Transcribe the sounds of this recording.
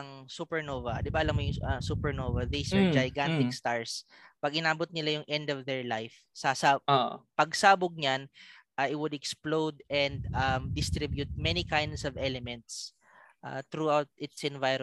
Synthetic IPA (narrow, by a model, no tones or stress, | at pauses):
ɐŋsupɛɹnovɐd̪ɪbaʔɐlamːojʊŋɐsupɛɹnovɐd̪isɐd͡ʒɐjɡant̪ɪkst̪aɹs | pɐɡɪnaːbʊt̪̚nɪlajʊŋʔɛnd̪ɔvd̪ɛɹlajf | sɐsaʔpɐɡsaːbʊɡ̚ɲanʔaʔɪwʊd̪ɛksplowd̪ɛnd̪ɐmd̪ɪst̪ɾibjʊt̪̚mɛnikajnd̪sɔvɛlɛmɛnt̪s | ʔa̰t̪ɾuawt̪̚ɪt̪sɛ̃nvajɾ